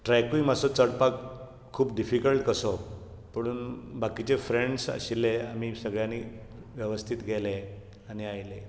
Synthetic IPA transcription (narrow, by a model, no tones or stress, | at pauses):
ʈɾajkuimasɔt͡səɽpakʰː | uːpɖifikəlʈkəsɔ | pəɽ̃uːnbakit͡ɕefɾeɳɖsə̰ɕilːeam̤isəɡɭjãni | ʋjəʋəst̪ʰit̪ɡʱɛle | aniajle